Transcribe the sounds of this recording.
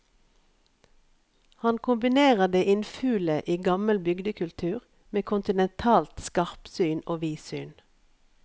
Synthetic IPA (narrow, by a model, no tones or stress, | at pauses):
hɑnkʰʊmbɪneːʁəd̪eːʔɪnfʉːləʔiːɡɑməlbʏɡd̪əkʰʉlt̪ʰʉːʁ | meːkʰʊnt̪ɪnɛnt̪ʰɑːlt̪skɑʁpsyːnoːʋiːsyːn